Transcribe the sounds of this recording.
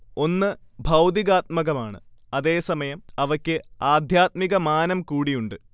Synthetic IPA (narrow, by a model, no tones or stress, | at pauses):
o̞nːɨbʱɐwd̪iɣaːt̪̚mɐɣɐmaːɳɨ̰ɐðe̞ːsɐmɐjɐmɐʋɐkʲːɨaːd̪ʱjaːt̪̚miɣɐmaːnɐmkuːɽijuɳɖɨ